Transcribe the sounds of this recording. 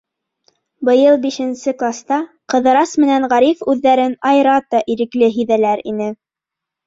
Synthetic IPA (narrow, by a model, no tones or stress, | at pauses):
bɤ̆jɤlˠbiʃɘ̆nsɘklˠast̪ɑ | qɤ̆ðɤ̆ɾɑsmɘ̆nænʁɑɾifʉðːæɾɘnɑjɾɑt̪ɑʔiɾɘ̆klɘɦĭðælæɾḭnɘ